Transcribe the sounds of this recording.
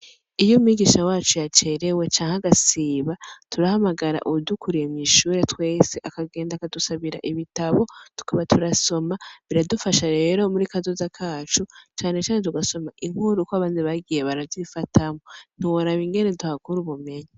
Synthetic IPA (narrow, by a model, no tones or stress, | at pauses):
ijomiɡiʃawaːt͡ʃujat͡ʃe̞ɾe̞we̞t͡ʃaːŋaɡasiːβatuɾahamaɡaɾa̰ʔuudukʰuɾijemiʃuːɾe̞twe̞ːse̞ʔakaɡe̞ːndakadusaβiɾa̰ʔiβitaβo̞tu̥kaβatʰuɾaso̞maβiɾadufaʃaɾe̞ɾo̞muɾikazozakʰaːt͡ʃut͡ʃaːne̞t͡ʃaːnet̬uɡaso̞maʔiŋ̥huɾukoaβaːnziβaɡijeβaɾavzifatʰamon̥uwoɾaβiŋɡe̞ne̞duhakuɾuβume̞ɲa